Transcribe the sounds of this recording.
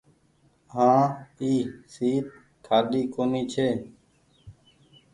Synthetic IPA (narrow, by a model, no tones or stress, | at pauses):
ɦãːiːsiːt̪̚ | kʰaːɗiːkoːniːt͡ʃʰeː